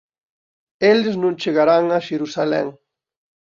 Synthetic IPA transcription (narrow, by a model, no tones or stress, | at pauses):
eleznũnt͡ʃeɣaɾaŋaʃeɾusalḛŋ